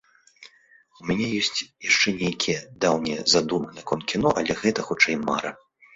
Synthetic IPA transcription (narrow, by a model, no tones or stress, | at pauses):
umʲanʲɛjɔsʲt͡sʲjaʂt͡ʂɛnʲejkʲʰijɛd̪awnʲɛɛzad̪umɐnɛkɔnkʲinɔʔɐlʲɛɣɛt̪ɐxut͡ʂɛjma̰ɾɐ